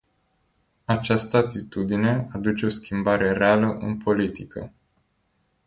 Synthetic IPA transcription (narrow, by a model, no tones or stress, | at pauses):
at͡ʃast̪əat̪it̪ud̪ine̞ad̪ut͡ʃe̞o̞skʲimbaɾe̞ɾealəʔɨ̰npʰo̞lit̪ikʰə̰